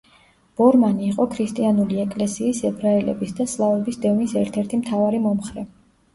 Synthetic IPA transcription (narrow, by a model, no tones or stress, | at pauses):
b̥ɔɾmaniːqʼɔkʰɾist̪ʼianuliɛkʼlɛsiːsɛbɾaɛlɛ̰bisd̪aslˠavɛbisd̪ɛvnisɛɾt̪ʰɛɾt̪ʰimt̪ʰavaɾimɔmχɾɛ